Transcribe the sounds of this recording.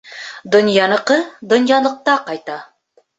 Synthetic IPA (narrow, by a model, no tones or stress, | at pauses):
d̪ŏnjɑnɤ̆qɤd̪ŏnjɑlˠɤ̆q̚t̪ɑqɑjt̪ɑ